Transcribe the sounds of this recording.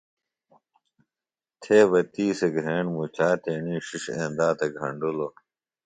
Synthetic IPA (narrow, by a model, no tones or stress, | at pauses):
t̪ʰeːbɐt̪iːseɡʱɾeːɳmut͡ɕaːt̪eːɳĩːɕiʂḛ̃ːnd̪aːt̪eɡʱɐ̰ɳɖulo